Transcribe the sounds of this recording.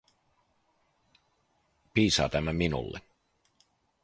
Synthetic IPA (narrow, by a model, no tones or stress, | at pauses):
piːsɑ̰ːt̪æmːæminṵlːḛ